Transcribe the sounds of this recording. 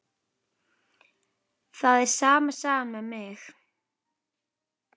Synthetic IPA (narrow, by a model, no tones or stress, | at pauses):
θaðɛɾsaːmasaːmamɪɣ